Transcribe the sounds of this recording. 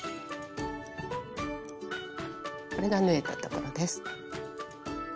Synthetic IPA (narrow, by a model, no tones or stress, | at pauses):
ko̞ɾe̞ɡanɯ̟e̞t̪at̪o̞ko̞ɾod̪esɨ̥